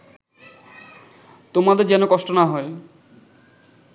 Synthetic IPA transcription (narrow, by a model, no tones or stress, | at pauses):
t̪omad̪eɾd͡ʑɛnokɔʃʈonaɦɔe